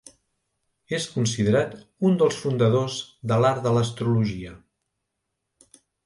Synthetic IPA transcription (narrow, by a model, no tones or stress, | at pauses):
eskuns̬iðəɾat̪und̪əlˠsfund̪əðozðəlaɾd̪ələst̪ɾuluʒiə